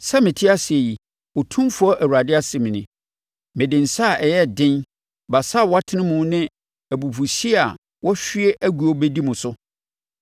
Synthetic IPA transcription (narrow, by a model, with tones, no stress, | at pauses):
sɛ˦mɪ̃˨tʰɪ˦a˦si˨e˨ji˨ | o˨tʰũ˦mfʊ˨˦ɔ˦ʔæ˨wu˨ɾa˨dɪ˦a˦sɪ˨m̃˨nɪ̃˨ | mɪ̃˨dɪ̃˨n̩˨sa˦˨ɛ˨jɛ˦dɪ̃˦n | ba˨sa˦˨wɔ˦a˦tʰɪ˦nɪ̃˦mʊ̃˦nɪ̃˦ | æ˨bu˨fu˨ɕi˦˨a˨ | wɔ˦ɕᶣɥe˦ʔæ˦ɡu˨o˦be˦di˦mʊ̃˨sʊ˦